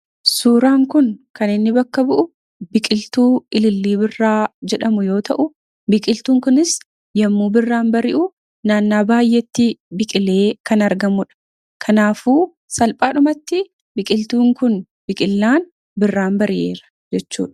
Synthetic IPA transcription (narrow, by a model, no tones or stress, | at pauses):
suːɾaːŋkʊnkɐnɪnːɪbɐkːɐbʊʔʊ | bɪkʼɪlt̪uːɪlɪlːiːbɪrːaːd͡ʒɛᶑɐmʊjo̞ːt̪ɐʔʊ | bɪkʼɪlt̪uːŋkʊnɪs | jɐmːuːbɪrːaːnbɐɾɪʔʊ | naːnːaːbaːjːɛt̪ːɪbɪkʼɪle̞ːkɐnɐɾɡɐmʊᶑɐ̥ | kʰɐnaːfuː | sɐlpʼaːᶑʊmɐt̪ːɪ | bɪkʼɪlt̪uːŋkʊn | bɪkʼɪlːaːn | bɪrːaːnbɐɾɪʔe̞̰ːɾɐ̥ | d͡ʒɛt͡ʃːṵːᶑɐ̥